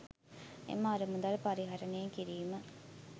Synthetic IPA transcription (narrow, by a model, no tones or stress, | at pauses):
ḛmːaaɾəmud̪alpaɾiɦaɾənejeŋkiɾiːmə